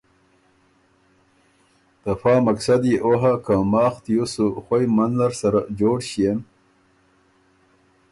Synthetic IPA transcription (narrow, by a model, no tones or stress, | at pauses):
t̪afɑːmaksad̪iʔoɦakʰãmɑːxt̪jusuxwojmanlaɾsaɾad͡ʒoːɽɕijem